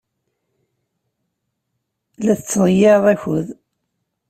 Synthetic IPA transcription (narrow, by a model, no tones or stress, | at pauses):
læθət͡sːʁjeðˤæçʊð